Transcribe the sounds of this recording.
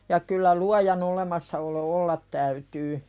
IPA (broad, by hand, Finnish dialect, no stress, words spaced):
jɑ kylːæ luɑjɑn olemɑsːɑolo olːɑt tæytyː